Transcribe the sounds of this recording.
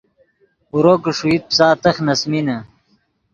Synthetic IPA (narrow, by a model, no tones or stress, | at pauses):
uɾoːkəʂuit̪̚psaːt̪ɐxnɐsminɐ